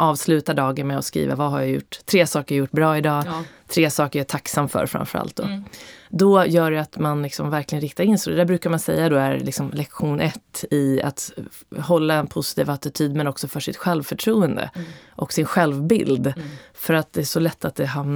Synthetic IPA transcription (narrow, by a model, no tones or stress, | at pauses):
ʔɑːvslʉ̟ːt̪aɖɑːɡənmɛɔskɾḭːva̰vaɦaɾjajʊ̰ʈːt̪ʰːɾeːsɑːkəɾjajʊʈːbɾɑːɪd̪ɑːt̪ʰɾeːsɑːkəɾjaɛʈ̪ʰaksamfœ̰ɾfɾa̰mfœɾa̰lt̪̚d̪ɔ̰d̪ɔjœːɖɛat̪manlɪksɔmvæɾklɪɡənɾɪk̚t̪aɾɪnsɔd̪ɛd̪æːbɾʉ̟ːkaɾmansɛjːad̪ɔæɾlɪksɔmlɛkɧuːnʔɛt̪ːɪa̰t̪ | hɔlːaɛnpʰʊsɪt̪ʰiːvat̪ɪt̪ʰyːd̪mɛnɔksɔfœʂɪt̪ɧɛlvfœʈʰɾuːənd̪ə̰ʔɔksɪnɧɛlvbɪ̰ld̪fœɾat̪̚d̪ɛæʂɔlɛt̪ʰːat̪̚d̪ɛɦamn